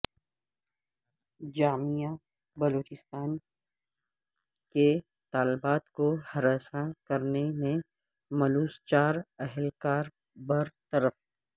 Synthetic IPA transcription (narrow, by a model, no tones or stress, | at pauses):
d͡ʒaːmijã | bɐloːt͡ʃɪst̪aːn | ke | t̪aːlɪbaːt̪kohɐɾaːsakɐɾnemẽ | mɐluːst͡ʃaːɾɛɦɛlkaːɾ | bɐɾt̪ɐɾəf